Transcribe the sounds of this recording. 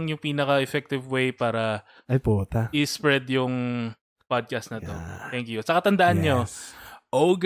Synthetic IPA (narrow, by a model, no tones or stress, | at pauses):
ŋjʊŋpiːnɐkɐʔɛfɛk̚t̪ɪvwejpaːɾɐ | ʔɐjpuːt̪aʔɪspɹɛd̪jʊŋ | pad̪̚kast̪nɐt̪o̰t̪ɛŋkjʊsɐkɐt̪ɐnd̪ɐʔanɲoʔowɡ